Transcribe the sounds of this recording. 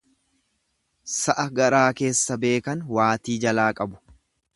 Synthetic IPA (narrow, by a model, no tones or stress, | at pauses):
sɐʔɐɡɐɾaːke̞ːsːɐbe̞ːkɐnwaːt̪iːd͡ʒɐlaːkʼɐbʊ̥